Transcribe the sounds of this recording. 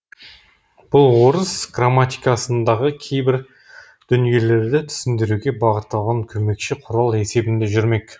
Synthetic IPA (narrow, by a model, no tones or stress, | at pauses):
b̥ʊlˠwo̞ɾəsɡramːat̪ijkɑsənd̪ɑʁəkʲʰe̞jbɪɾ | d̪̥ʏnije̞le̞ɾd̪ɪt̪ʰʏ̥sɪnd̪ɪɾuɡʲe̞bɑʁət̪ːɑlˠʁɑŋkʲʰɵme̞kʃɪqʰʊɾɑlˠe̞se̞bɪnd̪e̞ʒʏɾme̞k